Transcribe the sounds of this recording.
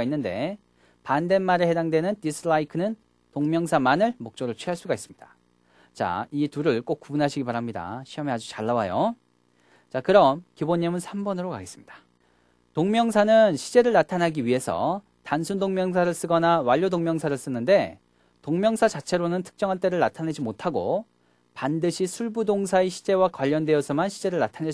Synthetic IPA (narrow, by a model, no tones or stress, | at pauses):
inːɯnde̞̰ | pande̞nmaɾɯeɭhe̞daŋdwe̞nɯntisʰɯɭaikʰɯnɯn | toŋmjʌŋsʰamanɯɭmok̚t͡ɕ͈oɾɯɭt͡ɕʰɥiaɭs͈uɡais͈ɯmɲid̥ḁ | t͡ɕa̰ituɾɯɭk͈ok͈̚ːubunɦaɕʰiɡipaɾamɲida̰ɕʰiʌmead͡ʑut͡ɕaɭːawajo | t͡ɕakɯɾʌmkibonimɯnsʰambʌnɯɾokaɡe̞s͈ɯ̥mɲid̥ḁ | toŋmjʌŋsʰanɯnɕʰid͡ʑe̞ɾɯɭnatʰanɦaɡiɥiɦe̞sʰʌ̰ | tansʰundoŋmjʌŋsʰaɾɯɭs͈ɯɡʌnawaʎːod̬oŋmjʌŋsʰaɾɯɭs͈ɯnɯnde̞ | toŋmʲjʌŋsʰat͡ɕat͡ɕʰe̞ɾonɯntʰɯ̥k̚t͡ɕ͈ʌŋɦant͈e̞ɾɯɭnatʰaned͡ʑimotʰaɡo | pandɯɕʰisʰuɭbudoŋsʰaeɕʰid͡ʑe̞wakwaʎːʌndwe̞ʌsʰʌmanɕʰid͡ʑe̞ɾɯɭnatʰanɦe